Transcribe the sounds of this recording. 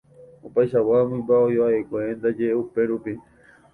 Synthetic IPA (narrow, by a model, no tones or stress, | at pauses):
opajʃawamũĩmbaojoaekʷend̪ad͡ʒeʔeupe̞ɾupi